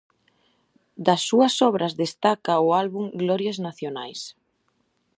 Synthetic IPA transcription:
d̪ɐsːuɐsɔβ̞ɾɐzðest̪akɐʊalβuŋɡlɔɾjaznaθjonajs

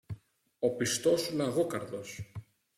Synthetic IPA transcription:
o̞pist̪o̞sulɐɣokɐɾðo̞s

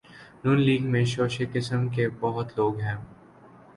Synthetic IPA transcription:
nuːnliːɡmẽʃoːʃekɪsəmkebɐɦʊt̪loːɡɦɛ̃ː

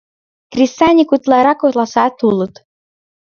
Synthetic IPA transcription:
krʲist̪anʲikut̪lɑɾɑkolˠɑsɑt̪ulˠɤ̆t̪

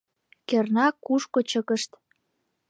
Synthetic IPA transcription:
kernɑkuʃkot͡ɕəkəʃt̪

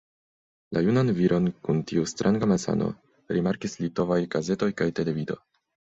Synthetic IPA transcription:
lʔajunanviɾʔo̞nkuntiustɾʔaŋɡamasa̰no̞̰ | ɾimaɾkislito̞vajɡ̥aze̞to̞jkajte̞le̞vido̞̰

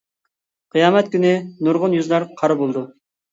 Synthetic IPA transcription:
qʰijɑːmɛt̪̚kʲynɪnʊɾʁʊnjuzlˠɑɾqʰɑɾbolˠd̪u

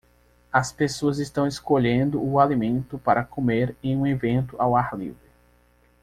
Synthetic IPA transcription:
ɐspesoɐzɪst̪ɐ̃w̃eskoʎẽnd̪ʊʊalimẽnt̪ʊpaɾɐkʰomeɾẽj̃ũevẽnt̪ʊʔawaɾlḭvɾɪ

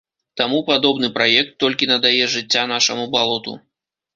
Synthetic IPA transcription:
t̪amupad̪ɔbnɨpɾajɛk̚t̪ːɔlʲkʲinɐd̪ajɛʐɨt͡sʲːan̪aʂɐmubalˠɔt̪ṵ

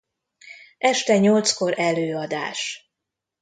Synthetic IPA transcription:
ʔɛʃt̪ɛɲo̞lt̪sko̞ɾʔɛløːɒd̪a̰ːʃ

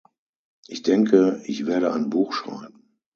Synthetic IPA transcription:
ʔɪçd̥ɛŋkʰəɪçv̥eːɐɾəa̰ɪnbuːxʃʁ̥a̰ɪbm̩

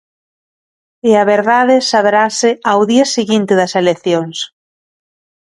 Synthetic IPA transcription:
eɐβeɾðaðɪsaβɾasɪawðiɐsiɣint̪ɪðɐseleθjoŋs

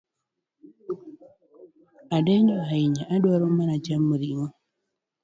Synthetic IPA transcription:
adɛɲoaiɲaʔadwaɾomanad͡ʒamːuɾiŋɔ

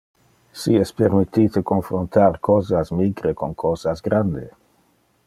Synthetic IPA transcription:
siɛspeɾmit̪it̪ekonfɾont̪aɾkʰozasmiɡɾekoŋkʰozazɡɾand̪ḛ

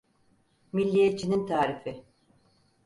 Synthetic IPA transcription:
milʲːijet͡ʃʰːinint̪ʰaːɾifɪ

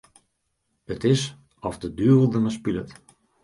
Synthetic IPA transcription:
hətɪs | ɔfdədyəbəlˠdənəspilət

